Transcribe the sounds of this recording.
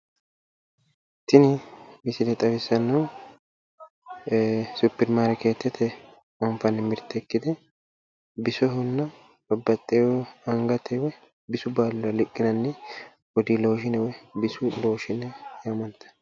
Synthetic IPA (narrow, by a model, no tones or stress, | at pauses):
t̪ɪnɪmɪsɪlɛt̪ʼɐwɪsːɐnːu | sʊpːɪɾmaːɾɛkeːt̪ːɛt̪ʰːɛ | ɔmfɐnɛmɪɾt̪ːɛkːɪd̪ɛ | bɪsɔɦʊnːɐ | b̥ɐbːɐt̪ʼːewɔɐŋɡɐt̪ʰɛwɛ | bɪsʊbalːɐlɪkʼːɪnɐnːɛ | wɔd̪ilo̞ːʃɪnɛwɛbɪsʊlo̞ːʃɪnɛjamɐnt̪ːɐ̥